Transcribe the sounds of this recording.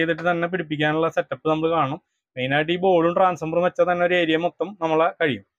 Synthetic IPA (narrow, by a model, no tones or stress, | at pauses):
ejt̪ːiʈ̬ːɨt̪ɐnːe̞piɽipːikʲːaːnuɭːɐsɐtːɐpːɨnɐmːɐɭɨkaːɳu | mejnaːɖibo̞ːɻumʈraːnsɐmbɐrumʋet͡ɕːɐt̪ɐnːe̞oɾueːɾijɐmok̚t̪ːɐmnɐmːɐɭkɐɻijum